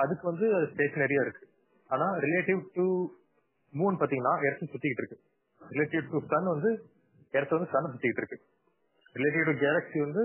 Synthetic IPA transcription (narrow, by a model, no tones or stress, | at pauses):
ɐðɯkːɯʋɐnd̪ɯɐðɯsʈeːknɛɾɪjaːɪɾɯkːɯ | aːnaːɾɪleːʈɪʋʈu | muːnpaːɾt̪iːŋɡɐnːaːʔɛɾɐt̪ːɯ̃sʊt̪ːɪkːɪʈːɪɾɯkːɯ | ɾɪleːʈɪʋʈust̪ɐnːɯʋɐnd̪ɯ | ɛɾɐt̪ːɐʋɐnd̪ɯsɐnːɐs̬ʊt̪ːɪkɪʈːɪɾɯkːɯ | ɾɪleːʈ̬ɪʋʈuɡaːɾɐksiʋɐnd̪ɯ